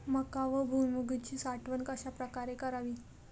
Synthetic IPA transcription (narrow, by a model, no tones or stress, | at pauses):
məkaʋəbʱumimuɡit͡ɕiːsaʈʋənkaɕapɾəkaɾekəɾaʋiː